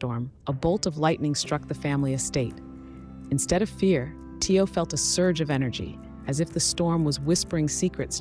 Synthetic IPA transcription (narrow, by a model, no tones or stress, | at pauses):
tɔɹm | əbolˠtʌvlaɪʔnɪ̃ŋstɹ̥ʌk̚ðɨfæ̃mliʌ̥steɪɾ | ɨ̃n̩stɛɾʌv̥fɪɹ | tʰioʊfɛlˠtəsɜ˞d͡ʒʌvɛñə˞d͡ʒḭ | ɨzɨfðɨstɔɹmwʌzwɪspə˞ɪ̃ŋsikʰɹɨts